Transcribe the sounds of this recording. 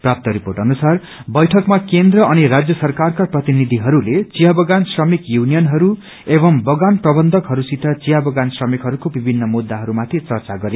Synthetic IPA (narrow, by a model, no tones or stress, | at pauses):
prap̚t̪ʌɾiporʈʌnusar | bʌjʈʰʌkmakend̪rʌʌniɾad͡zjʌsʌrkarkaprʌt̪inid̪ʱiɦʌɾulet͡sijabʌɡansrʌmikjunijʌnɦʌɾu | ebʌmbʌɡanprʌbʌnd̪ʱʌkɦʌɾusit̪ʰʌt͡sijabʌɡansrʌmikɦʌɾukobibʱinːʌmud̪ːaɦʌɾumat̪ʰit͡sʌrt͡saɡʌɾe